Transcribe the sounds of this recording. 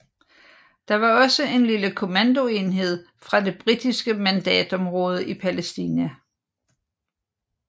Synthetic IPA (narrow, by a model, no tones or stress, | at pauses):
d̥ɑ̈ʋɑ̈ɒ̽səe̝nliləkʰo̝mænd̥o̝e̝nɦe̝ð̞̰ˠ | fʁɑ̈d̥e̝b̥ʁid̥isɡ̥əmænd̥ɛ̰ːd̥ɒ̽mʁɔ̽ːð̞ˠəʔipʰælesd̥ḭːnæ